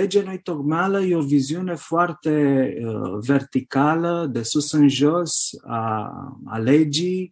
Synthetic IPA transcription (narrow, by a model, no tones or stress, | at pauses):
led͡ʒenojt̪okmaləjeovizjunefwart̪e | vert̪ikaləd̪esusənʒosa̰ | a̰led͡ʒi